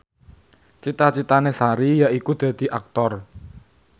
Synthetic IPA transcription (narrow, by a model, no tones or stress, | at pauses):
t͡ʃit̪at͡ʃit̪anesaɾijaʔikud̪̥ä̤d̪̥i̤ʔak̚t̪ɔr